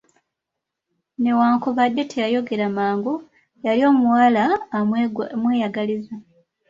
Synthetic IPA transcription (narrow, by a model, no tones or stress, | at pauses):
ne̞waːŋkuβadːe̞tʰejajo̞ɡe̞ɾamaːŋɡu | jalio̞ːmuwaːla | mwe̞ːjaɡaliza